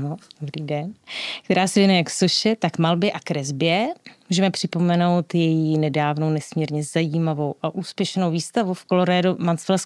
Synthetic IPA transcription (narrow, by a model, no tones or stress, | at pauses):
nodobɾiːdɛnkkt̪ɛɾaːsɛvjɛnujɛjaksoʃɛt̪akmalbjɛʔakɾɛzbɪjɛmuːʒɛmɛpr̝̥ɪpo̞mɛno̞wt̪jɛjinɛdaːvno̞wnɛsmɲiːɾɲɛzajiːmavo̞wʔaʔuːspjɛʃnowviːst̪avufkoloɾaːdumant͡sfɛlɛs